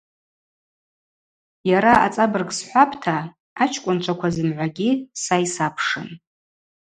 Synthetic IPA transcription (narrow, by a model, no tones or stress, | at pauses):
jaɾaʔat͡sʼabɨrɡsħʷapʰʼtʰaː | t͡ʃʰkʷʼʊnt͡ʃʷʰakʷʰazɨmʕʷaɡʲisajsapʰʂɨ̰n